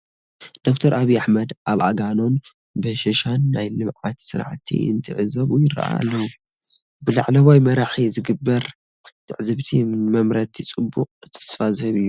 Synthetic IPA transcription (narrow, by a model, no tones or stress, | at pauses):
d̪̥o̞kt̪ʰɐɾʔaβijaħmɐd̪ʔaβʕaɡano̞n | bɨʃɐʃanːajlɨmʕat̪sɨɾʕt̪ʰḭʔɨ̰nt̪ʰɨʕɨzɐβjɪɾɐ̰ʔa̰lːɐwu | bɨlaʕlɐwajmɐɾaħizɨɡɨbːɐɾ | t̪ʰɨʕzɨβt̪ʰimmɐmɾɐt̪ʰit͡sʼɨbːʊqʼɨt̪ʰɨ̥sfazhɐβɨjːu